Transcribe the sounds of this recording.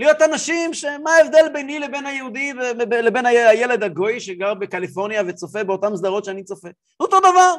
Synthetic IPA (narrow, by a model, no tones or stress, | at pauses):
lijo̞t̪anaʃimʃemaevd̪e̞lbejnilebe̞najehud̪ivelebenaaje̞led̪aɡo̞jʃeɡaʁbekalifo̞ʁnijavet͡so̞fe̞beo̞t̪amzd̪aʁo̞tʃeanit͡sofe̞ | ot̪o̞d̪avaʁ